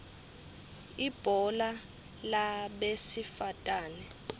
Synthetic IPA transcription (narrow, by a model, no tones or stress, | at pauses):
ib̥ʱɔla | laɓesifatʼaːnɛ